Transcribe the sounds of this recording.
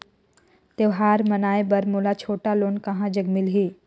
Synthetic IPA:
t̪eʋɦaːɾmɐnaːebɐɾmoːlat͡ʃʰoːʈaloːnkɐɦãd͡ʒɐɡmɪlɦeː

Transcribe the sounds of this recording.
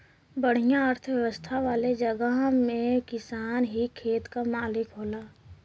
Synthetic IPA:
bəɽ̤ijãəɾt̪ʰʋjəʋəst̪ʰaʋaːled͡ʒəɡəɦmẽkɪsaːnɦikʰeːt̪kamaːlɪkɦoːlaː

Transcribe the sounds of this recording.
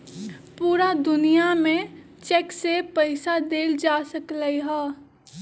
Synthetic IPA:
puːɾad̪ʊnijamẽ | t͡ʃeksepəɪsad̪eːld͡ʒaːsəkləiɦɛː

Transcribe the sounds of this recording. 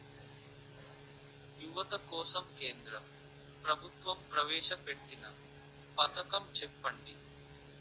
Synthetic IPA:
juʋɐt̪ɐkɔːsɐmkeːnd̪ɾɐ | pɾɐbʱut̪ʋɐmpɾɐʋɛːʃɐpeʈːinɐ | pɐt̪ʰɐkɐmt͡ʃɛpːɐɳɖi

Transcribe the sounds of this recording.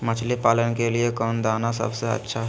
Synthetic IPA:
mət͡ʃʰlipaːlənkeliekɔːnd̪aːnasə̰bseə̰tːʃʰaɦ

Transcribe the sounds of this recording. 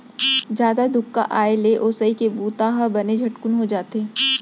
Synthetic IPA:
d͡ʒjaːd̪ad̪ʊkːa̰ʔaːeleʔoːsəikebuːt̪aːɦabɐned͡ʒʱɐʈkʊnɦod͡ʒaːt̪eː

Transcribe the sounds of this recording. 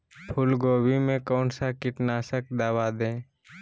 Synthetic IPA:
pʰʊlɡoːwimẽkɔːnsakɪʈnaːsək̚d̪aːwad̪ẽː

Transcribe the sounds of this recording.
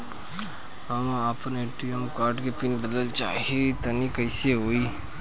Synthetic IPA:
amaːpəneʈijəmkaːɾʈkepɪnbəd̪əlt͡ʃa̰ːɦiet̪ɐnikɐɪseɦoːiː

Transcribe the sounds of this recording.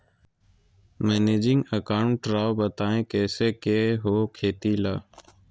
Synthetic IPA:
meːneːd͡ʒɪŋɡəkaːʊɳʈːɾaːʋbət̪aːẽːkɛːseːkeːɦoːkʰeːt̪iːlaː

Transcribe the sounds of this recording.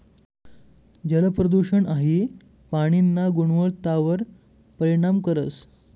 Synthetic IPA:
d͡ʑələpɾəd̪uɕəɳaɦi | paɽ̃inːaɡuɳʋəɭt̪aʋəɾ | pəɾiɽ̃amkəɾət͡s

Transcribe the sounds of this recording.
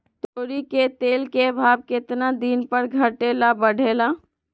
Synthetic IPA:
t̪oɾiket̪eːlkebʱab̚ket̪nad̪inpəɾɡʱəʈelabəɽʱela

